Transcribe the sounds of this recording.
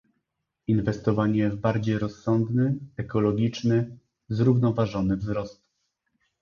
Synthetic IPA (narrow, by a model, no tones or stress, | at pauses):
invɛst̪ɔvaɲɛvbaɾd͡ʑejɾɔsːɔnd̪nɘɛkɔlɔɡʲit͡ʂnɘ | zɾuvnɔvaʐɔnɘvzɾɔst̪